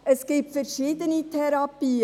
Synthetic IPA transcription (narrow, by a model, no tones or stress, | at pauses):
əsɡ̥iːpfəɾʃiːd̪ənitʰɛɾɑpiː